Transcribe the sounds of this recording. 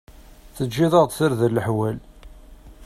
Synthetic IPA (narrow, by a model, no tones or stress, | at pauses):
θəd͡ʒːiðˤəʁt̪ˤθəɾðəlːəħwæl